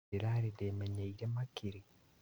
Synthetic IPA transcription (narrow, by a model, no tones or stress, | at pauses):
iɾaɾiɾemeɲeiɾemakiɾi